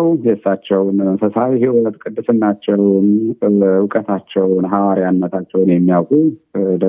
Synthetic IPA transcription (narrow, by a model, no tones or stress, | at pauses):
wjɛsːat͡ʃːɛwnsəsawɦiwɔt̪kʼɨd̪ːɨsɨnːat͡ʃːɛwn | wɨkʼət̪ʰat͡ʃːɛwnɦawaɾijanːət̪ʰat͡ʃːɛwnjɛmːijawkʼud̪ə